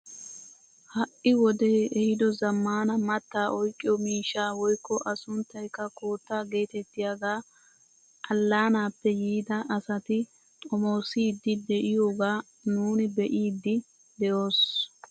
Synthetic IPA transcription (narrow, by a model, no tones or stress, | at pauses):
hɐʔɪwɔd̪eːɛhɪd̪ɔzɐmːaːnɐmɐt̪ːaːʔɔjkʼːɪjɔmiːʃaːwɔjkːɔʔɐsʊnt̪ːɐjkːɐkoːt̪ːaːɡe̞ːt̪ɛt̪ːɪjaɡaː | ʔɐlːaːnaːpːɛjiːd̪ɐʔɐsɐt̪ɪ | t̪ʼɔmoːsiːd̪ːɪd̪ɛʔɪjoːɡaː | nuːnɪbɛʔiːd̪ːɪ | d̪ɛjo̞ːs